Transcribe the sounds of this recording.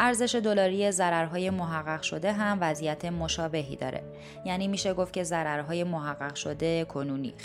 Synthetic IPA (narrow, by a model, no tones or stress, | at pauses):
ʔæɾze̞ʃe̞d̪o̞lɒːɾije̞zæɾæɾɦɒːje̞moɦæɣːæɣʃo̞d̪e̞ɦæmvæzijæt̪ʰe̞mo̞ʃɒːbe̞ɦḭd̪ɒ̰ːɾʔḛ | jæːniːmiːʃe̞ɡoft̪cʰe̞zæɾæɾɦɒːje̞moɦæɢːæɣʃod̪ekʰo̞nuːnḭː